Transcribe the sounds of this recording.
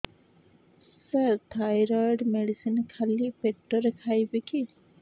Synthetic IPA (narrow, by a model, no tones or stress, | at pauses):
səɾt̪ʰajɾaɖmeɽisinkʰalipek̚ʈːoɾekʰajbiki